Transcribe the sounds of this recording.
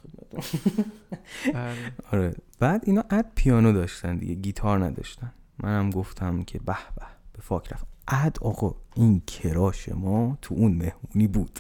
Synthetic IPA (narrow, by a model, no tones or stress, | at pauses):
ed̪̚mæ̰t̪ʰo | ɒɾeb̥æːd̪iːnɒːʔæd̪̥̚pʰijɒːnod̪ɒːʃt̪ænd̪ḭɟeɡiːt̪ʰɒːɾnæd̪ɒ̰ːʃt̪æn | mʔænhæmɡoft̪ʰæmcʰe̞bæhb̥æhb̥e̞fɒːcʰɾæfʔæd̪̥ɒːɣeʔincʰe̞ɾɒːʃe̞̰mɒːt̪ʰuʔunme̞hmuniːbuːd̪̥